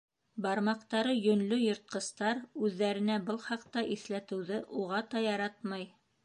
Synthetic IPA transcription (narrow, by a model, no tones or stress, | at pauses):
bɑɾmɑqt̪ɑɾɤjɵ̆nlɵjŏɾt̪̚qɤ̆st̪ɑɾʉðːæɾɘ̆næbɤlˠχɑqt̪ɑʔiθlæt̪ɘ̆wðɘʔuʁɑt̪ɑjɑɾɑt̪mɑj